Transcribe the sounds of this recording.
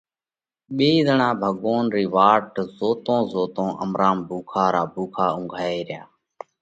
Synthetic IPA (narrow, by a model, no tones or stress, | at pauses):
ɓeːiːzəɳãːbʱəɠoːnɾiːʋaːʈzoːt̪õːzoːt̪õːʔə̰mɾʔaːmbʱuːkʰaːɾaːbʱuːkʰaːʊ̃ŋɡʱaːeːɾɪja̰ː